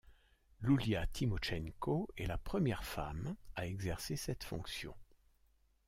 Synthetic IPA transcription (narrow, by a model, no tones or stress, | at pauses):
luljat̪ʰimɔʃɛŋkoɛlapχəmjɛʁfa̰maɛɡzɛʁsesɛt̪fɔ̃ksjɔ̰̃